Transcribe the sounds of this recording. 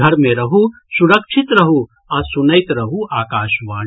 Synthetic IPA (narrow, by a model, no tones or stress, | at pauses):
ɐɾmẽɾɐɦu | suɾəkʃʰɪt̪ɾɐɦu | ɐsʊnəɪt̪ɾɐɦuʔaːkaːʃʋaː